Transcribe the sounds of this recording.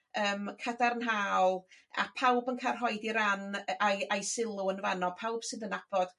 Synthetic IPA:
əːmkʰədarnɦaːlˠ | a̰pʰawbənkʰarɦɔjdiɾanajʔajsɪlˠʊənvanɔpʰawb̥sɨðənab̥ɔd̥

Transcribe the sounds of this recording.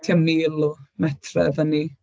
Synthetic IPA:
tʰiamnilˠɔmɛtʰrɛ̰vəni

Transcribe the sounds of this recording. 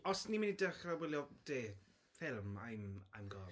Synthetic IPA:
ɔsniminidəχrawɪlˠjɔd̥eː | fɪlˠma̰jmajmɡɔ

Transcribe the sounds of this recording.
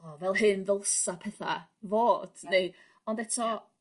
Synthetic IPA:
ɔvɛlˠhɨnðəlˠsapʰɛθa̰voːd̥ne | ɔndɛtʰɔ

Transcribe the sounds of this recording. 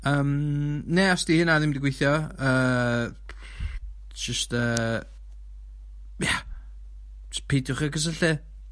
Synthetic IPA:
əːmneasd̥ihɪnaðɪmdɪɡwejθjɔəː | d͡ʒəstəː | ja | spʰejdʊχəɡəs̬əɬɪ

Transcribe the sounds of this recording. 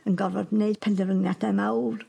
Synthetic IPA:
ənɡɔɾɔdmneɨd̥̚pʰɛndəvəŋjadɛmawr

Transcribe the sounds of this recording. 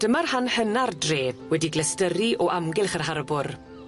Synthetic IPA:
d̥əmarhanhənardreːðwɛdiɡlɛstəɾiʔɔʔamɡɪlˠχərɦarbʊr

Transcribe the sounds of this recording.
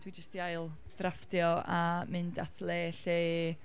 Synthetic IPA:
d̥wid͡ʒəstd̥iajlˠ | ð̥raftjɔamɨndatʰlˠeːɬeː

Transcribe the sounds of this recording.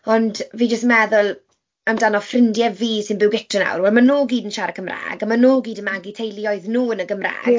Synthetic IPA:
ɔndviːd͡ʒəs̬tmɛðʊlˠ | amdanɔfrɪndjɛviːsɪnbɪwɡɪtʰrəna̰wrwɛlˠmanoːɡiːdənʃaɾəkʰəmra̰ːɡamanoːɡiːdənmaɡitʰejlˠjɔɨðnuːənəɡəmra̰ːɡɡ̥

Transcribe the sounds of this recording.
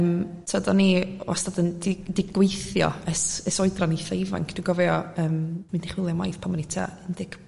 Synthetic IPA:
mtʰadɔnḭastadəndɪdɪɡwejθjɔ̰əsəsɔɨdraniθaɪva̰ŋkʰd̥uɡɔvɛɔəːmːɪndiχwɪlˠjama̰jθpʰamɔnitʰa̰əndɪɡ̥

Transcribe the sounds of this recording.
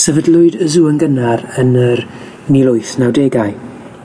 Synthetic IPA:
səvədlˠʊɨdəzuənɡənarənər | nilˠʊɨθnawdeɡaɨ

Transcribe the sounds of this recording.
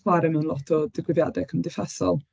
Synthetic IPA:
waɾɛmɛwnlˠɔtʰɔdɪɡwɪðjadɛkʰəmdɪfɛsɔ̰lˠ

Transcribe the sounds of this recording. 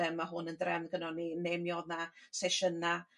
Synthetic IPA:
ɛmːaɦʊnəndrɛmɡənɔninemjɔðnasɛʃəna

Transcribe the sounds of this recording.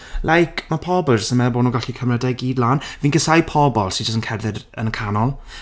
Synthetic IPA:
lajkʰmapʰɔbɔlˠd͡ʒəstənmɛbɔːnuːɡaɬikʰəmrɛdɛɡiːdlaːnviːnɡɪsajpʰɔbɔlˠsid͡ʒəstənkʰɛrðɪdə̰nəkʰanɔlˠ

